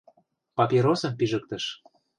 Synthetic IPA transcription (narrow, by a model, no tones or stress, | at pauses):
pɑpʲiɾosɤ̆mpyʒə̆k̚t̪ə̆ʃ